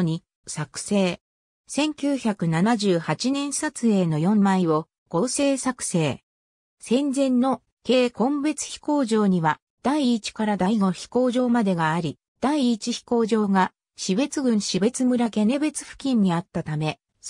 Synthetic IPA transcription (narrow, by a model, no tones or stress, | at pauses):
ɲ̟i | sakɯ̟̥se̞ː | sẽ̞ŋkʲɨːçakɯ̟nanaʑɨːhat͡ɕinẽ̞ɰ̃sat͡sɨe̞ːno̞jõ̞mːaiβo̞ | ɡ̥o̞ːse̞ːsakɯ̟̥se̞ː | sẽ̞nd͡zẽ̞nːo̞ | ke̞ːkõ̞mbe̞t͡sɨ̥çʲi̥ko̞ːʑo̞ːɲ̟iβa | d̪̥aiːt͡ɕi̥kaɾad̪aiɡo̞çi̥ko̞ːʑo̞ːmad̪e̞ɡaːɾʲi | d̪̥aiːt͡ɕiçi̥ko̞ːʑo̞ːɡa | ɕibe̞t͡sɨɡɯ̟̃ɰ̃ɕibe̞t͡sɨmɯ̟ɾake̞ne̞be̞t͡sɨ̥ɸɯ̟̥kʲĩɲ̟ːiat̪ːat̪ame̞